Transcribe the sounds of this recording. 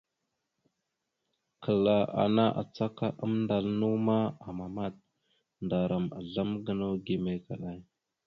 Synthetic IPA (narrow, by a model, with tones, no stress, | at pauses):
kʰə˨la˨ʔa̰˨na˦ʔa̰˨t͡sa˦ka˦ʔə˦mnda˨lnu˦ma˦a˨ma˨ma˦˨t̚ | nda˨ɾa˨ma̰˨ɮa˦mɡə˦no˦ɡi˨me˦ka˨ɗa˦j